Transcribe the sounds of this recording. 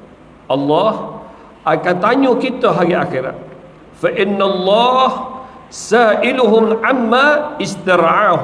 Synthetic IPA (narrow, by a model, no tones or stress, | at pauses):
ʔɑlːɑːh | ʔakant̪aɲukit̪oɦaɡiʔa̰xɪɾa̰t̪̚ | faʔɪnːalˤːɑːhsaːʔɪlʊɦʊmʕamːaːɪst̪aɾʕaːɦʊ